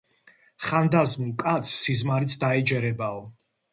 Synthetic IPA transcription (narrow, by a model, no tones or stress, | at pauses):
χand̪azmukʼat̪sʰːizmaɾit̪sʰd̪aɛd͡ʒɛɾɛbaɔ